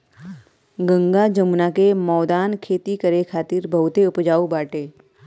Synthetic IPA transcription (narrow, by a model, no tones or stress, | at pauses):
ɡə̃ŋɡad͡ʒəmnakemɔːd̪aːnkʰeːt̪ikəɾekʰaːt̪ɪɾbʱɐʊt̪eʊpd͡ʒaːubaːʈeː